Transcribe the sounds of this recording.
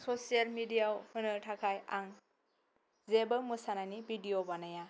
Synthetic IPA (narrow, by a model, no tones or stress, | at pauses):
sɔsijalmidijawhʰɯnɯtʰakʰajaŋ | zebɯmɯsanajnibidijobanaja